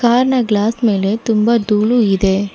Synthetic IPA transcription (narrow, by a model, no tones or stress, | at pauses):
kaːɾɳɐɡɭaːsmeːlet̪ʊmbɐd̪uːɭuɪðeː